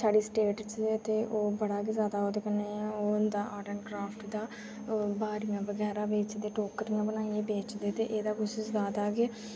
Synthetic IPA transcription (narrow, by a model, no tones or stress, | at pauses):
saːɖiːsʈeːʈt͡ʃet̪eːʔoːbəɽaːkɪzaːd̪aːɦoːt̪eːkənːeːoːnd̪aːʔaːʈəɳkɾaːpʰʈd̪aː | baːɾijãːʋəɡɛːɾaːʋeːt͡ʃd̪eːʈoːkəɾɪjãːbənaːieːbeːt͡ʃd̪eːt̪eːʔeːd̪aːkʊʃɪsd̪aːd̪aːkɪ